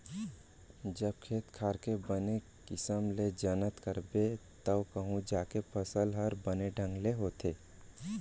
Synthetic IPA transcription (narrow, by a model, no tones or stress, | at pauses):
d͡ʒəb̚kʰeːt̪kʰaːɾkebəne | kɪsəmled͡ʒənət̪kəɾbet̪əwkəɦũd͡ʒaːkepʰəsəlɦəɾbəneɖʱə̃ŋɡleɦoːt̪ʰeː